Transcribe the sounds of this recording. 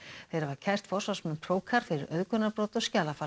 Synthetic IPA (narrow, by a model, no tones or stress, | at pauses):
θθejɾavaɾcʰajr̥t̪fɔ̥svasmʏnpʰɾoːwkʰaɾ̥fɪɾɪɾœðkœnaɾpɾoːt̪ɔscaːlafa